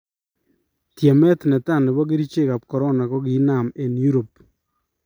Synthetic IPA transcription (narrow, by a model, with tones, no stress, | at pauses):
tje˨mɛ˦tnɛ˨ta˦˨nɪ˨βɔ˦ke˦ɾi˦t͡ʃe˦˨ka˨pkɔ˨ɾɔ˦na˨ko˦ki˦na˨me˨nju˦ɾo˨p